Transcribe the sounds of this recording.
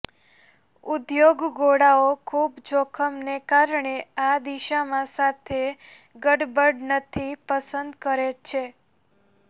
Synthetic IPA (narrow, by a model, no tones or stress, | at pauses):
ud̪joɡɡoɽaokʰubd͡ʒokʰəmnekaɾɳead̪iʃamãsat̪ʰe | ɡəɽbəɽnət̪ʰipəsənd̪kəɾet͡ʃʰe